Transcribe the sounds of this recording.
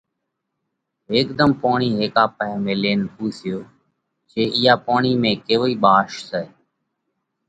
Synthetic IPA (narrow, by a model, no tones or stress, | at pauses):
ɦeːkd̪əmpaːɳiːɦeːkaːpəɛmẽːleːnpuːsɪjoː | t͡ʃeːʔɪjaːpaːɳiːmẽːkeːʋoːiːɓaːʃsɛː